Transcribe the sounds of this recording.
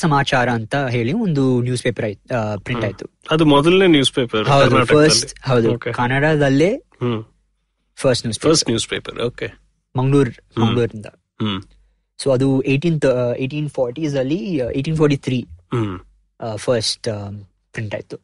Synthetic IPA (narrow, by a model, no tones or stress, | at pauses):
sɐmaːt͡ʃaːɾɐːnt̪ɐɦe̞ːɭiond̪unjuːspeːpɐɾaːjpɾĩʈaːjit̪uɐd̪umɔd̪ɐlneːnjuːspeːpɐɾɦɐwd̪uapɐɾsʈɦɐwd̪ukekaːnɐɽad̪ɐlːeː | ɦ | fʰɐɾsʈnjuːspeɐɾsʈnjuːspeːpɐ̰ɾoːke | mɐŋɡɭuːɾmɐŋɡɭuːɾind̪ɐ | ɦ | soːɐd̪ueːʈiːnt̪ʰeːʈiːnpʰɔːɾʈiːsɐlːieːʈiːnfʰoːɾʈiːt̪ʰɾiː | fʰɐɾsʈ | pɾiɳʈa̰ːjit̪u̥